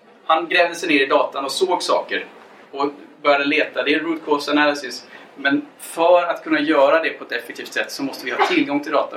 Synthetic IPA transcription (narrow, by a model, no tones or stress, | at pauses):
hanɡɾɛːvd̪əsɛjneːɾɪd̪ɑːt̪anɔsoːɡsɑ̰ːkəɾ | ɔbœɾjad̪əleːt̪ad̪ɛɾut̪̚kʰɔsanælɪsɪs | mɛn | fœɾat̪kʰɵnːajœːɾad̪ɛpʰɔɛt̪ɛfɛk̚t̪iːft̪sɛt̪ːsɔmɔst̪əvɪhɑːt̪ʰɪlɡɔŋt̪ʰɪld̪ɑ̰ːt̪a̰